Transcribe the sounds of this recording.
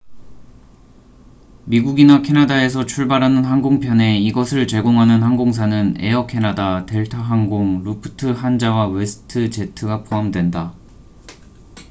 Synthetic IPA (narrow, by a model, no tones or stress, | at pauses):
miɡuɡinakʰe̞nadae̞s̬ʰʌt͡ɕʰuɭbaɾɦanɯnɦanɡoŋpʰjʌne̞iɡʌsʰɯɭt͡ɕe̞ɡoŋɦanɯnhanɡoŋs̬ʰanɯne̞̰ʌkʰe̞nadate̞ɭtʰaɦaŋɡoŋɾupʰɯ̥tʰɯɦand͡ʑawawe̞sʰɯ̥tʰɯt͡ɕe̞tʰɯɡapʰoɦamdwe̞nda